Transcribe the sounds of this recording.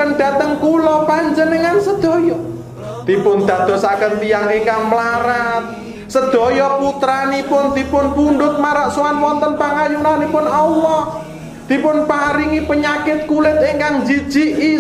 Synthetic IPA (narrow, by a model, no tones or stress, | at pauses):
ənd̥a̤t̪əŋkulɔpaɲd͡ʒənəŋansəd̪̥ɔ̤jɔ | d̪̥ipʊnd̪̥a̤d̪̥ɔ̤sakənt̪ijaŋiŋkaŋmlaɾat̪̚ | səd̪̥ɔ̤jɔput̪ɾanipʊnd̪̥i̤pʊnpunɖʊt̪̚maɾaʔsoanwɔnt̪ɔnpaŋajunanipʊnɔlɔh | d̪̥ipʊnpaɾiŋipəɲakɪt̪̚kulɪt̪̚ɪŋkaŋd͡ʒi̥d͡ʒ̥iʔi